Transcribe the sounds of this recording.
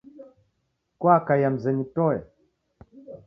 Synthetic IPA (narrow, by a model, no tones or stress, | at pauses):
kwakajam̩zɛnitɔɛ